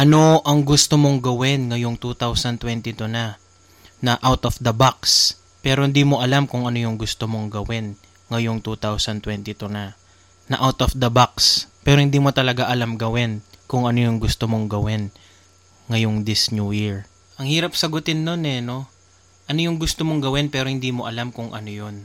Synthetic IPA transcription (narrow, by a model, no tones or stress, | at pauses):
ʔɐno̞ʔɐŋɡʊst̪omo̞ŋɡɐwɪnŋɐjoŋt̪ut̪awsɐnt̪wɛnt̪ɪt̪onɐ | nɐʔawt̪ofd̪ɐbaks | pɛːɾohɪnd̪iːmo̞ʔɐlamkʊŋɐnojʊŋɡʊst̪omo̞ŋɡɐwɪn | ŋɐjoŋt̪ut̪awsɐnt̪wɛnt̪it̪onɐ | nɐʔawt̪ofd̪ɐbakspɛːɾohɪnd̪iːmot̪ɐlɐɡaʔɐlamɡɐwɪnkʊŋʔɐnojʊŋɡʊst̪omo̞ŋɡɐwɪn | ŋɐjoŋd̪ɪsnujiɹ | ʔɐŋhiːɾɐp̚sɐɡʊt̪ɪnːonɛno̞ | ʔɐnojʊŋɡʊst̪omoŋɡɐwɪnpɛːɾo̞hɪnd̪iːmo̞ʔɐlamkʊŋʔɐ̰nojon